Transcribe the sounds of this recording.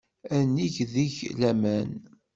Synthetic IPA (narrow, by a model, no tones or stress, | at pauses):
ænːiʝðiʝlæmæn